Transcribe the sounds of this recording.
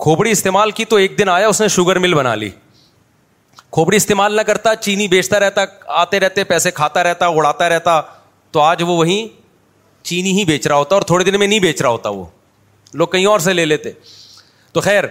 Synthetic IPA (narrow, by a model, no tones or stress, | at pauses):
kʰoːbɽiɪst̪eːmaːlkit̪oeːk̚d̪ɪnaːjaʊsneʃʊɡəɾmɪlbɐna̰ːlḭː | kʰoːbɽiɪst̪eːmaːlnɐkɐɾt̪at͡ʃiːnibeːt͡ʃʰt̪aɾɛɦt̪aaːt̪eɾɛɦt̪epɛːsẽkʰaːt̪aɾɛɦt̪aʊɽaːt̪aɾɛɦt̪a | t̪oaːd͡ʒʋoʋɐɦĩ | t͡ʃiːniɦibeːt͡ʃɾaɦoːt̪aɔːɾt̪ʰoːɽed̪ɪnmẽnɐɦĩbeːt͡ʃɾaɦoːt̪aʋo̰ː | loːɡ̚kɐɦĩɔːɾs̬eleːleːt̪eː | t̪oxɛːɾ